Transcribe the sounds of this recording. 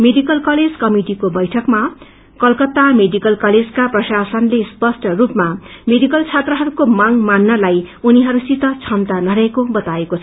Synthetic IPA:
meɖikʌlkʌled͡zkʌmiʈikobʌjʈʰʌkma | kʌlkʌt̪ameɖikʌlkʌled͡zkaprʌsasʌnlespʌsʈrupmameɖikʌlt͡sʰat̪rʌɦʌɾukomaŋmanːʌlajuniɦʌɾusit̪ʌt͡sʰʌmt̪anʌɾʌekobʌt̪aekot͡sʰʌ

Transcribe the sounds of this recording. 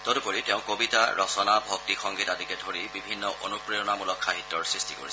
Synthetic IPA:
tɔtupoɹiteʊ̃kobitaɹʔɔsɔnabʱɔk̚tixɔŋɡitadikɛdʱoɹibibʱinːɔʔonupɹijɔnamulɔkʰːaɦitːɔɹsɹistiko̰ɹis

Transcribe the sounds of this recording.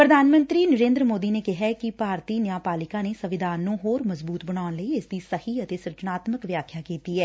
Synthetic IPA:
pɾəd̪ʱaːnmə̃nt̪ɾiːnəɾẽːnd̪ɾəmoːd̪iːneːkɪɦaːkɪpaːɾt̪iːnjaːpaːlɪkãːneːsəʋɪd̪ʱaːnːũːɦoːɾməzbuːt̪bəɽ̃aːʊnləiːɪsd̪iːsəhiːət̪eːsɾət͡ʃnaːt̪məkʋjaːkʰjaːkiːt̪iːɛː

